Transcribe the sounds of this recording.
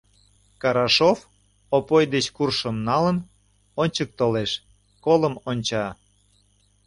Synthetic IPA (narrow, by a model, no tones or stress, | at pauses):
kɑɾɑʃof | opojd̪et͡ɕkurʃəmnɑlən | onʲt͡ɕək̚t̪oleʃ | koləmonʲt͡ɕɑ